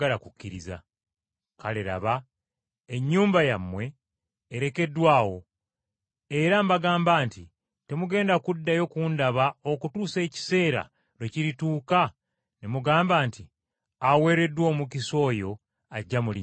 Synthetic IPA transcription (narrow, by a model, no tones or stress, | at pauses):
alakucːiɾiza̰ | kaleɾa̰βa | eɲːuːmbajamːwe̞ː | ɾe̞ke̞dwaːwo̞ | e̞ɾambaɡaːmbaːnti | te̞muɡe̞ːndakudːajo̞kuːndaβao̞kutuːse̞ːci̥se̞ːɾa̰ | leciɾituːka | nemuɡaːmbaːnti | awe̞ːɾe̞dːwoːmukiso̞ːjo̞ | aɟːamulḭ